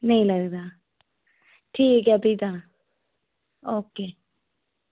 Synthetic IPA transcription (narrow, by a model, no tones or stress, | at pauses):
nɐɦĩlɐɡd̪a | ʈʰiːkɐbʱit̪a | oːkeː